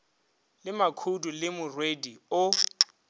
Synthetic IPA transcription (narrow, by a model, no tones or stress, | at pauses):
lɪmakʰudʱʼulɪmʊrwediʊ